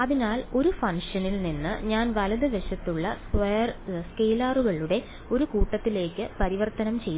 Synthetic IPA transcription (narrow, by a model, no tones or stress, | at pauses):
ɐðinaːlo̞ɾufɐŋʂɐnilninːɨ̰ɲaːnʋɐlɐðɨʋeʂɐt̪ːuɭːɐskʋɐjɐrskejːlaːruɣɐɭuɽe̞ | o̞ɾukuːʈːɐt̪ːile̞ːkːɨpɐɾiʋɐrt̪ɐnɐmt͡ɕe̞jːu